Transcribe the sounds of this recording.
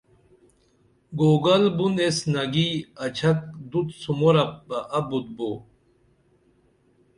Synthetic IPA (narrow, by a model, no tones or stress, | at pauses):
ɡoːɡɐlbunesnɐɡiɐt͡ɕʰɐk̚d̪ut̪sumoɾɐpbɐʔɐbut̪̚bo